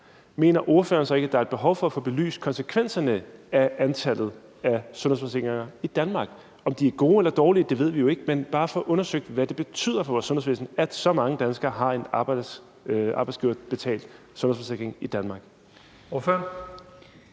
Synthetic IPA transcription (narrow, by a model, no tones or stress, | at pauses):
me̝̰ːnɐʔo̝ɐfø̰ɐnsɒ̽e̝ɡ̥æd̥ɑ̈ɐ̝d̥̚b̥e̝ɦɒʊfɒ̽æfo̰ːb̥e̝ly̰ːskʰɒ̽nsəkʰʋen̰sɐnəæʔænt͡sʰæl̰ð̞̩ˠ | æsɔ̽nhefɒseɡ̥ʁeŋɐid̥ænmɑ̈ːɡ̥ | ɒ̽md̥iæɐɡ̥o̝ːelɐd̥ɒːliəd̥e̝ʋe̝ð̞̰ˠʋijo̝e̝ɡ̥əmenb̥ɑ̈ːfɒ̽ʔɔ̽nɐsøɡ̥̚d̥ʋæd̥e̝b̥e̝t͡sʰy̰ð̰ˠɐfɒ̽ʋɒːsɔ̽nheʋeːsn̩æd̥sɒ̽mɑ̈ŋəd̥ænsɡ̥ɐːɦɑ̈e̝nɑ̥ | ʔɑ̈ːb̥ɑ̈ɪsɡ̥iʊ̰ɐ̰d̥b̥e̝t͡sʰɛ̰ːld̥ | sɔnhḛfɒseɡ̥ʁeŋid̥ænmɑ̈ːɡ̥ | oføɐn